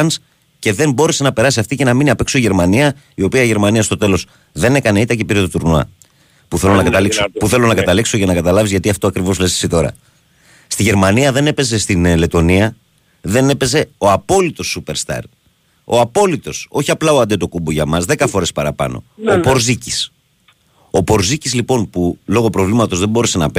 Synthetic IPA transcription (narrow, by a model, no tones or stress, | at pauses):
ɐns | ce̞ðe̞mbo̞ɾe̞se̞nɐpe̞ɾɐsiɐft̪ice̞nɐminiɐpekso̞iʝe̞ɾmɐniɐ | io̞piɐiʝe̞ɾmɐniɐst̪ot̪e̞lo̞s | ðe̞ne̞kɐne̞it̪ɐcepiɾit̪ot̪uɾnuɐ̰ | puθe̞lonɐkɐt̪ɐliksopuθe̞lo̞nɐkɐt̪ɐlikso̞ʝɐnɐkɐt̪ɐlɐvizʝɐt̪iɐft̪o̞ɐkɾivo̞zle̞si̥sit̪o̞ɾɐ̰ | st̪iʝe̞ɾmɐniɐðe̞ne̞pe̞ze̞st̪inle̞t̪o̞niɐ | ðe̞ne̞pe̞ze̞o̞ɐpo̞lit̪o̞sːupe̞ɾst̪ɐ̰ɾ | o̞ɐpo̞lit̪o̞so̞çiɐplɐoɐnd̪et̪o̞kuboʝɐmɐzðe̞kɐfo̞ɾe̞spɐɾɐpɐ̰no̞̰opo̞ɾzicis | o̞po̞ɾzicizlipo̞npulo̞ɣo̞pɾo̞vlimɐt̪o̞zðe̞bo̞ɾese̞nɐp